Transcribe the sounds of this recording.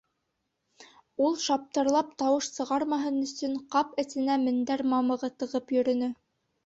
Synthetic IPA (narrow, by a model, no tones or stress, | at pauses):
ulˠʃɑp̚t̪ɤ̆ɾlˠɑp̚t̪ɑwɤʃsɤ̆ʁɑɾmɑɦɤnɵ̆sɵɴqɑpɘ̆sɘ̆næmɘ̆nd̪æɾmɑmɤ̆ʁɤt̪ɤ̆ʁɤpjɵ̆ɾɵ̆nɵ